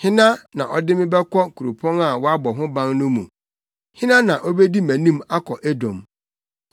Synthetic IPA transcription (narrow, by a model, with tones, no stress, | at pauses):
hɪ̃˦nã˦nã˨ʔɔ˦dɪ˦mɪ̃˦bɛ˦kʰɔ˦kʰu˨ɾu˨pʰɔ̃˦na˨wɔ˦a˦bɔ˨ɦʊ̃˦bã˦ŋnʊ̃˦mṵ̃˨ | hɪ̃˦nã˦nã˨ʔɔ˦be˦di˦mæ̃˨nĩ˦ma˦kʰɔ˨ʔæ˦dɔ̰̃˨m